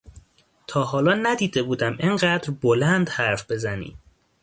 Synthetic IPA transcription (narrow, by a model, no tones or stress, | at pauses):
t̪ʰɒːɦɒːlɒːnæd̪iːd̪e̞buːd̪æmeɴɢæːd̪ɾbolænd̪hæɾfb̥e̞zænḭ̥ː